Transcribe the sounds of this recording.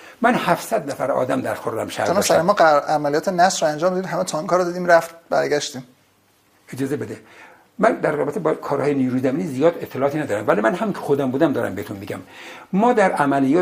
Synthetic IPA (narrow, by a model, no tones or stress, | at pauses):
mænhæfsæd̪næfæɾɒ̰ːd̪æmd̪æɾxoɾɾæ̰mʃæ̰ɾsnsæemɒːæmælijɒːt̪ʰenæsɾɔænd͡ʒɒːmd̪ɒd̪iːd̪ɦæmet̪ʰɒŋkɒːɾɔd̪iːd̪iːmɾæft̪t̪̚bæ̰ɾɟæʃt̪iːm | ed͡ʒɒːzebed̪e | mænd̪æɾrɒːbet̪ʰebɒkʰɒːɾhɒːjeniːɾuːzæmiːniːzijɒːd̪et̪ʰːelɒːɒːt̪inæd̪ɒːɾæmvæliːmænɦæmiŋkcʰexod̪æmbuːd̪æmd̪ɒːɾæ̰mbehet̪unmiɡæmmɒːd̪æɾʔæmælijɒː